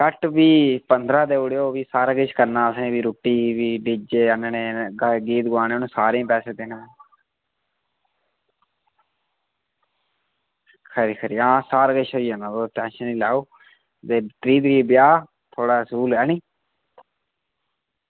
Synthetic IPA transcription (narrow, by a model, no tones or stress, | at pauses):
kəʈbiːpənd̪ɾãːd̪eːʊɽjoːʋiːsaːɾaːɡəʃkəɾnãːəsẽːbiːɾuːʈːiːʋiːɖid͡ʒeːənaːneːɡɡiːt̪ɡʋaːneonũːsaːɾẽːpɛːseːd̪enãː | kʰəɾiːkʰəɾiːãːsaːɾɡəʃoːiːanãːdoːt̪ɛ̃ːʃənĩːlaːoː | t̪eːt̪ɾiːd̪ɾiːbjaː | t̪ʰoːɽaːsuːlɛːnĩː